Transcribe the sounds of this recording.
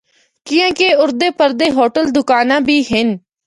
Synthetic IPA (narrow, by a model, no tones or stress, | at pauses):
kɪjãːkeːʊɾd̪eːpəɾd̪eːɦoːʈəld̪ʊkaːnãːbʱiːɦɪn